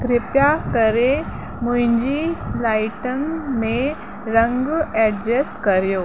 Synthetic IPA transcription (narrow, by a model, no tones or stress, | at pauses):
k̪ɾɪpjat̪əɾe | mũɦĩɲd͡ʑilajʈənme | ɾəŋɡɛɖd͡ʑeskəɾjo